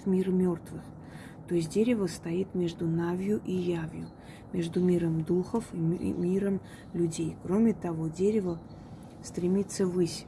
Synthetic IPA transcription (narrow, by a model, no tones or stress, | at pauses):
mʲirmʲort̪vɨx | t̪oɪs̬ʲt̚ʲdʲeɾʲɪvəst̪ɐit̪mʲe̞ʐd̪ʊnavʲjʊʔijavʲjʊ̰ | mʲe̞ʐd̪ʊmʲiɾəmd̪uxəfimʲiɾəm | lʲʊdʲejkɾo̞mʲɪt̪ɐvo̞dʲeɾʲɪvə | st̪ɾʲɪmʲit̪səvɨsʲ